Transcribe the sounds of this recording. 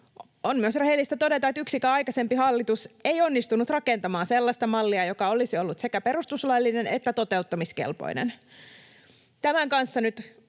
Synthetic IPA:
onmyøsrehelːˑist̪æt̪o̞det̪ɑet̪yksikæɑjkɑse̞mpihɑlːit̪useio̞nːist̪unːut̪rɑkent̪ɑmɑːnselːɑst̪ɑmɑlːiɑjokɑolisiolːut̪sekæpe̞ɾust̪uslɑilːinenet̪ːæt̪o̞t̪e̞ut̪ːɑmiskḛlpo̰inḛn | t̪æmæŋkɑnsːɑnyt̪

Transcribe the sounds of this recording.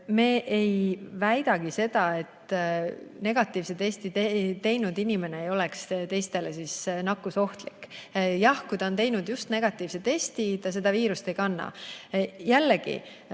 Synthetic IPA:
meːʔejvæjd̪̥ɑɡ̥ise̞d̪̥ɑe̞t̪ | ne̞ɡ̥ɑt̪ːˑiːvset̪est̪iet̪e̞jnud̪inime̞ne̞ejo̞lekst̪e̞jst̪e̞lesisnɑkːuso̞ht̪likːjɑhkujd̪ɑont̪̬e̞jnud̪̥just̪ne̞ɡ̥ɑt̪ːˑiːvse̞t̪e̞st̪it̪ɑs̬e̞d̪̥ɑviːɾust̪e̞jkɑnːɑ̰ | jælːeɡ̥ḭ

